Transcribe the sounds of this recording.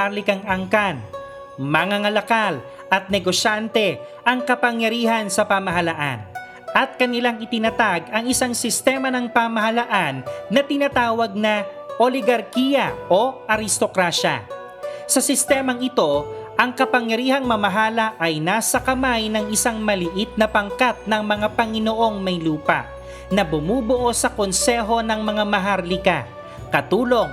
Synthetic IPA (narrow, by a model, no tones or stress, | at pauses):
alɪkɐŋɐŋkan | mɐŋaŋɐlɐkal | ʔɐt̪̚nɛɡo̞ʃant̪ɛ | ʔɐŋkɐpɐŋjɐɾiːhɐnsɐpɐmɐɦɐlaʔa̰n | ʔɐt̪̚kɐnɪlaŋɪt̪ɪnɐt̪aɡɐŋɪsaŋsɪst̪ɛːmɐnɐŋpamɐɦɐlaʔanːɐt̪ɪnat̪aːwɐɡ̚nɐ | ʔolɪɡɐɾkijɐʔo̞ʔɐɾɪst̪o̞kɾaʃɐ̰ | sɐsɪst̪ɛːmɐŋɪt̪o̞ʔɐŋkɐpɐŋjɐɾiːhɐŋmɐmɐɦaːlɐʔɐjnaːsɐkɐmajnɐŋɪsaŋmɐlɪʔɪt̪̚nɐpɐŋkat̪̚nɐŋmɐŋapɐŋɪnoʔo̞ŋmɐjluːpɐ̰ʔ | nɐbʊmuːboʔo̞sɐko̞nsɛɦo̞nɐŋmɐŋamɐɦaɾlɪka | kɐt̪uːlo̞ŋ